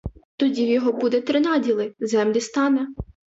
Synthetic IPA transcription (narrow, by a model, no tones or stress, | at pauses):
t̪ɔdʲiwjɔɦɔbud̪ɛt̪ɾɪnɑdʲilˠɪzɛmlʲist̪ɑnɛ